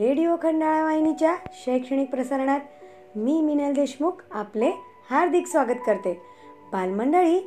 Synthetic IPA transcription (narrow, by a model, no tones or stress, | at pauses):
ɾeɽijokʰəɳɖaɭaʋajnit͡ɕjaɕəjkʂəɳ̃ik̚pɾəsəɾɳ̃at̪ | miːminald̪eɕmukaple | haɾd̪ʱiksʋaɡət̪kəɾt̪e | balməɳɖəɭiː